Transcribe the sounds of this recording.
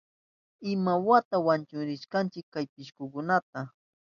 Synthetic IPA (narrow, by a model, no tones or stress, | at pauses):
ɪmawat̪awant͡ʃʊɾɪʃkant͡ʃɪkːajpɪʃkʊkʊnat̪a